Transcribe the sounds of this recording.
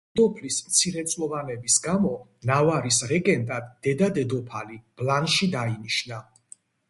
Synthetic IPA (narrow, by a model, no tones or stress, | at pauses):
d̪ɔpʰlismt̪sʰiɾɛt̪sʼlˠɔvanɛbisɡamɔnavaɾisɾɛɡʼɛnt̪ʼad̪ːɛd̪ad̪ɛd̪ɔpʰalib̥lanʃid̪ainiʃna